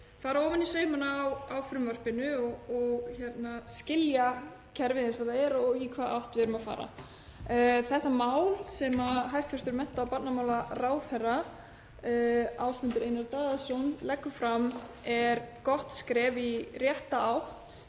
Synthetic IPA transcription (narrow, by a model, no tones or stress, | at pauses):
faːɾaɔːvanisœːɥmanaːwawfɾʏmvœr̥pɪnʏɔɔɣçɛt̪nascɪlja | cʰɛɾvɪðɛnsaθaɛɾɔikʰvaːðʔa̰wht̪vɪɾʏmafa̰ːɾa̰ | θɛht̪amaːwlsɛmaɦajst̪fɛɾ̥t̪ʏɾmɛn̥t̪aːwpat̪namawlaraːwθɛra | awspʏnt̪ʏɾejnaɾt̪aːðasɔnlɛkːʏfɾamɛɾkɔht̪skɾɛːvirjɛht̪aawht̪